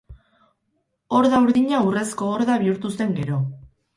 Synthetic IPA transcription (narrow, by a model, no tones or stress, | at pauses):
o̞ɾðauɾðiɲaure̞sko̞ːɾðaβiuɾt̪use̞ŋɡe̞ɾo̞